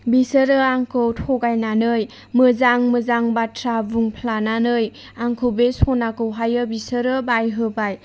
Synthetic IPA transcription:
bisəɾɯaŋkʰɯwtʰɔɡajnanɯj | mɯzaŋmɯzaŋbatʰɾabuŋpʰlananɯj | aŋkʰɯwbesɔnakɯwɦajɯbisɯɾɯbajɦɯbaj

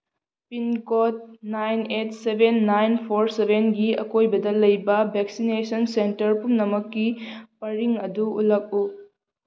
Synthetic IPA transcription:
pinkot̚najnetsebʱenːajnpʰoɾsebʱenɡiɐkojbɐdɐlɐjbɐbʱek̚sinesɐnsentɐɾpumnɐmɐkːipɐɾiŋɐduulɐk̚u

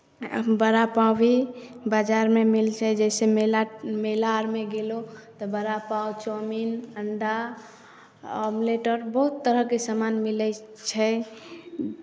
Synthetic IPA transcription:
bəɾapabibad͡ʒaɾmemilt͡ʃʰɛd͡ʒɛsememelaɾmeɡelot̪ɔbəɾapawt͡ʃɔminəɳɖa | ɔmleʈəɾbəɦut̪ːəɾəkesəmanmilɛ | t͡ʃʰɛ

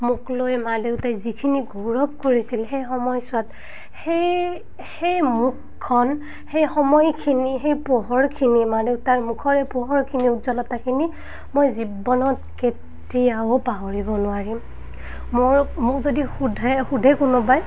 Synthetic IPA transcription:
muklojmaleʊtajzikʰiniɡoɹɔp̚koɹisilxejxɔmɔjsʊat | xej | hejmukʰːɔn | hejxɔmɔjkʰinixejpɔɦɔɹkʰinimaleʊtaɹmukʰɔɹɛpɔɦɔɹkʰiniutzɔlɔtakʰini | mojzibɔnɔtket | ijaopaɦoɹibɔnʊwaɹim | moɹmʊkzodixudʱɛxudʱɛkunubaj

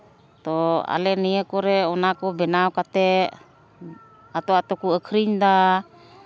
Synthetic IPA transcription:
t̪ɔa̰lɛniəkɔɾɛɔnakɔbɛnaɔkat̪ɛ | at̪ɔat̪ɔkuəkʰɾiɲd̪a

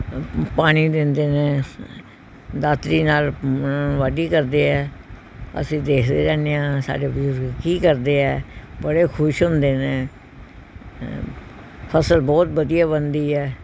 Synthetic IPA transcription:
paːɽ̃iːd̪ɪnd̪eːnẽː | d̪aːt̪ɾiːnaːlː | ʋaːɖiːkəɾd̪eːɦɛː | ə̰sĩːd̪eːkʰd̪eːd͡ʒãːneːãːsa̰ːɖeːbəzʊɾɡkiːkəɾd̪eːɛːbəɽeːkʰʊʃɦʊnd̪eːnẽː | pʰəsəlbɔːt̪̚bəd̪ijaːbənd̪iːɛː

